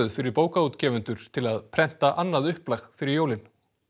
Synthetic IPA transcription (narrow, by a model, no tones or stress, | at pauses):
ʏðfɪɾɪɾpoːwkauːt̪cɛːvʏnt̪ʏɾ̥t̪ʰɪlaðpʰɾɛn̥t̪aʔanːaðʏhplaxfɪɾɪɾjoːwlɪn